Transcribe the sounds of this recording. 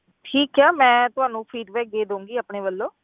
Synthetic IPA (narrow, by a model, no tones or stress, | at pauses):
ʈʰiːkɛːmɛ̃ːt̪ʊɦaːnũːpʰiːɖbɛːk̚d̪eːd̪õũːŋɡiːaːpɳeːʋəlːõː